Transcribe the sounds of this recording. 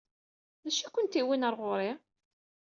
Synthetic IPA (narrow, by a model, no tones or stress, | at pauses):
ðæʃikʷənt̪iwinəɾˤʁoɾˤɪ